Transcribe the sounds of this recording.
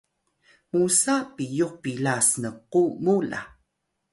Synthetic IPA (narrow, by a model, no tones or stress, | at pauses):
musapijuq̚pilasnəqumula̰